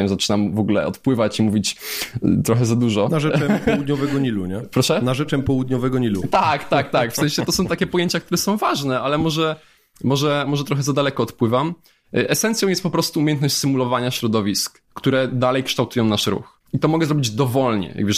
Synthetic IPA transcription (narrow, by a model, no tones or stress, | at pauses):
ɛmzat͡ʂɘnamvɔɡulɛ̰ɔ̰t̪pwɘvat͡ɕimuvʲit͡ɕt̪ɾɔxɛzad̪uʐɔnaʐɛɛpɔwud̪ɲɔvɛɡɔɲiluɲɛpɾɔʂɛnaʐɛt͡ʂɛmpɔwud̪ɲɔvɛɡɔɲilut̪akt̪ak̚t̪akfsɛ̃ɕɛt̪ɔsɔ̃w̃t̪akʲɛpɔjeɲt͡ɕakt̪uɾɛsɔ̃w̃vaʐnɛalɛmɔʐɛ | mɔʐɛmɔʐɛt̪ɾɔxɛzad̪alɛkɔːt̪pwɘvam | ʔɛsɛnt̪sjɔ̃wjɛst̪pɔpɾɔst̪uumʲjɛnt̪nɔɕt͡ɕʲsɘmulɔvaɲaɕɾɔd̪ɔvʲiskːt̪uɾɛd̪alɛjkʂt̪awt̪ujɔ̃w̃naʂɾṵx | it̪ɔmɔɡɛzɾɔbʲid͡ʑd̪ɔvɔlɲɛ̰ja̰ɡbe